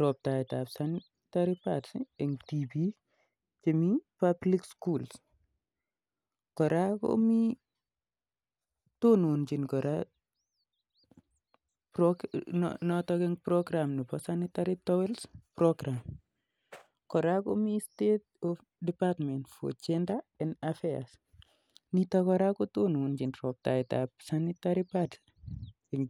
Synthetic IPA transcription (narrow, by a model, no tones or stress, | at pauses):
ɾɔp̚taɛtabsanɪ | taɾipatsḭɛŋtibi | t͡ʃimipablikskuls | kɔɾakɔ̰mi | tonond͡ʒinkɔɾa | pɾɔ | nɔtɔkɛŋpɾɔɡɾamnipɔsanitaɾitɔwɛlspɾɔɡɾam | kɔɾakomistet̚ɔf | dipatmɛntfo̰d͡ʒɛndaɛnafea̰s | nitakɔɾakotununt͡ʃinɾɔp̚ta̰ita̰psanitaɾipad | ŋ